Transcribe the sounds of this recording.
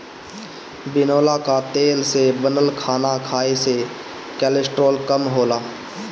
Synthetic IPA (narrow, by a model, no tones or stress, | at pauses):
bɪnoːlakat̪eːlsebənəlkʰaːnakʰaːese | kɛːlɪsʈɾoːlkəmɦoːlaː